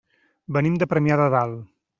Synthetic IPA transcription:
bənimd̪əpɾəmjaðəðalˠ

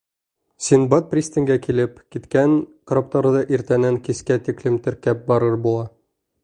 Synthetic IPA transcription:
sʲinbɑt̪̚prʲisʲt̪ʲiŋɡækilɘpkit̪kæŋkɾop̚t̪ɑɾɤd̪ɤʔiɾt̪ænæŋkiskæt̪iklɘmt̪ɘ̆ɾkæp̚bɒɾɤɾbulˠɑ

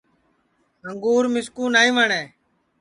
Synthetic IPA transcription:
ɦəŋɡuːɾmɪskuːnaːĩːʋəɳeː

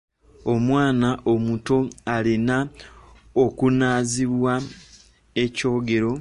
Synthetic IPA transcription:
o̞mwaːnaʔomuto̞alina | okunaːziβwa | e̞co̞ːɡe̞ɾo̞

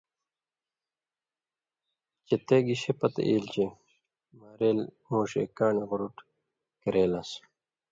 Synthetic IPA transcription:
t͡ɕet̪eɡiɕepɐt̪ḛʔiːlt͡ɕe | maɾeːlmuːɕḛkaːniɣuɾuʈ | keɾeːlas

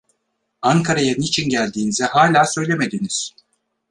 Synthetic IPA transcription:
aŋkʰaɾajanit͡ʃʰinɟælʲd̪iːnizɛhaːlʲaːsø̞jlʲe̞me̞d̪iniz̥

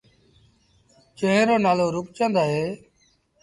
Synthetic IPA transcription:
t͡ʃə̃ɦə̃ɾoːnaːloːɾʊkt͡ʃə̃nd̪aːɦeː

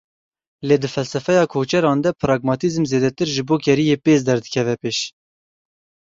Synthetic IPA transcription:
leːd̪ɨfɛlsɛfɛjɑːkʰoːt͡ʃɛɾɑːnd̪ɛpʰɾɑːɡmɑːt̪izmzeːd̪ɛt̪ɨɾʒɨboːkʰɛɾijeːpeːz̬d̪ɛɾd̪ɨkʲʰɛvɛpeːʃ

